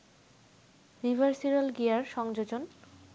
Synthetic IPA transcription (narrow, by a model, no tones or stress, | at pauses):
ɾibʱaɾsiɾalɡijaɾʃɔŋd͡ʑod͡ʑon